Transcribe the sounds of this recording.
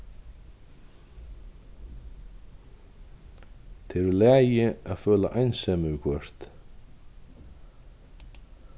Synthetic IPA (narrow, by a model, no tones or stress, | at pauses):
t̪ʰɛɾʏlaːjɪaðfœːla̰ʔajnsɛmʏʏkʰvœr̥t̪